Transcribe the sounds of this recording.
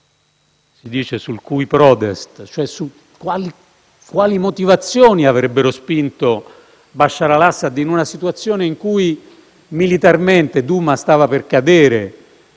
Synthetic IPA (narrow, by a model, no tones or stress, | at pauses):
sid̪iːt͡ʃesulkujpɾɔt̪est̪t͡ʃoɛsu | kːwaːli | kːwaːlimot̪ivat̪sːjoːniavɾɛbːeɾospint̪o | baʃːaɾalasːad̪inunasit̪uat̪sːjoːneiŋkuj | milit̪arment̪ed̪uːmast̪aːvaperkad̪eːɾe